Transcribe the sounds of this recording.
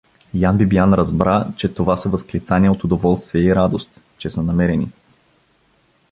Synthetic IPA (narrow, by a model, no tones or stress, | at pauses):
janbibianɾɐzbɾat͡ʃɛt̪ovasɐvɐsklit̪saniɛot̪ʊd̪ovɔlˠst̪viɛiɾad̪ost̪ | t͡ʃɛsənɐmɛɾɛnḭ